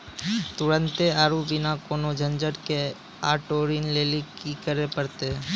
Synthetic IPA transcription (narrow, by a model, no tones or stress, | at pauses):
t̪ʊɾə̃nt̪eaːɾubʱinakoːnod͡ʒʱənd͡ʒəɽke | a̰ːʈoːɾinleːlikikəɾepəɾt̪e